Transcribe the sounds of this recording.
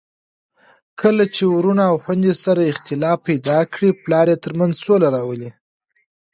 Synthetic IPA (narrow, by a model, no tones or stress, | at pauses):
kʰəlat͡ʃewuɾunaːwxwand̪esaɾaɪxt̪ɪlɑpːajd̪ɑkɽiplɑɾet̪əɾmanzsolaɾɑwəli